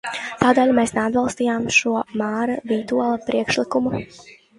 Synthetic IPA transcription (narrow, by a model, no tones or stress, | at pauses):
t̪aːd̪ɛːlʲmeːsnead̪̚balˠst̪iːjaːmʃuɔmaːɾaviːt̪uɔlˠapɾiɛkʃlikumu